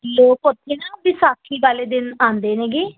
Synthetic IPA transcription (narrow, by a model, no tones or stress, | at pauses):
loːkot̪ʰːeːnaːbiːsaːkʰːiːʋaːleːd̪ɪnaːnd̪eːnẽːɡeː